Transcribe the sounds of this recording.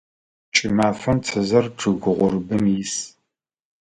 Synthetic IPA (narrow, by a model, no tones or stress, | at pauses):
t͡ʃʼɪmaːfɐmt͡sʰɐzɐrʈ͡ʂʰɨɣʷʊʁʷʊɾɨbɨmjis